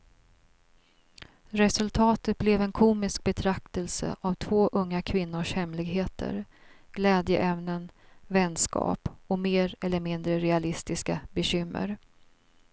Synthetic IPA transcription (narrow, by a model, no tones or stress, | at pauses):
ɾɛsɵlt̪ʰɑːt̪ət̪̚blɛvɛnkʰuːmɪsk̚bɛt̪ʰɾak̚t̪əlsə̰ʔavt̪ʰvoːʔɵŋːakʰvɪnːʊʂhɛmlɪɡɦeːt̪ʰə̰ɾɡ̥lɛːd̪jəʔɛmnənvɛnːskɑ̰ːpɔmeːɾɛlːəɾmɪnd̪ɾəɾɛalɪst̪ɪskabɛɕʏmːə̰ɾ